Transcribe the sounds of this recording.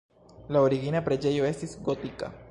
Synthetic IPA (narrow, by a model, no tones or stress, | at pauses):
laoɾiɣinapɾed͡ʒejoesisɡot̪ika̰